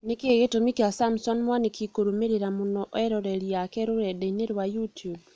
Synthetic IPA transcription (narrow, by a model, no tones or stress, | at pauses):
nikeɣetomikasamsɔnmwanikʰikoɾomeɾeɾamɔnɔʔɔɛɾɔɾɛɾijakɛɾoɾɛdeneɾwajutjub̚